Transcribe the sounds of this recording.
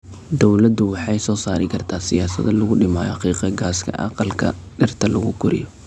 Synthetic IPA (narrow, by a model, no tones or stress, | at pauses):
d̪ɔwlɐd̪ʊwɑħɑjsɔːsaːɾɪkʰɐrt̪ʰaːsɪjaːsɐ̰ðɐlʊɣʊɖɪmaːjɔqiːqɐɡaːskʰɐ̰ʔɑ̰qɑlkʰɐ̰ | ɖɪrt̪ʰɐlɐɣʊɡʰʊɾɪ̰jɔ